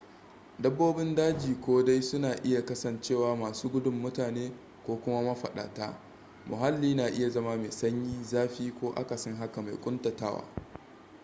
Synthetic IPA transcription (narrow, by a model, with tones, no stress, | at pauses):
dɐ˦bːoː˦bɪ˦ndaː˦d͡ʒiː˨kʷoː˦da˦jsʊ˦naː˨ʔɪ˦ja˨kɐ˦sɐ˨nt͡ʃeː˦˨waː˨maː˨suː˦ɡʷʊ˦dʊ˦mːʊ˦taː˨neː˦ | kʷoː˦kʷʊ˦ma˦mɐ˦ɸɐ̰˨ɗa̰ː˨ta̰ː˦ | mʊ˨ɦa˦lːiː˦naː˨ʔɪ˦ja˨zɐ˦maː˦meː˨sɐ˦ɲjiː˦zaː˦ɸiː˦kʷoː˦ʔa̰˦ka˨sɔ˦ŋɦa˦ka˨ma˨jkʷʼʊ˦ntɐ˨taː˦wa̰ː˦